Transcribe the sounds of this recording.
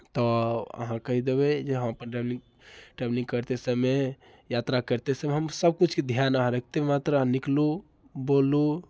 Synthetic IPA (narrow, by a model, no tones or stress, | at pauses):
t̪ɔə̰ɦãkəɦid̪ebɛd͡ʒeɦəməpənliŋ | ʈeblĩŋɡkəɾt̪esəbme | jat̪ɾakəɾt̪esəmeɦəmsəb̚kut͡ʃʰked̪ʱjanəɦãɾək̚ʰt̪emat̪ɾəãniklu | bolu